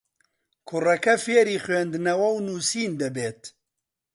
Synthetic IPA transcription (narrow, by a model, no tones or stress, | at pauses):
kʰʊrɐkɐfeːɾiːxweːnd̪ɨnɐwɐwnuːsiːnd̪ɐbeːt̪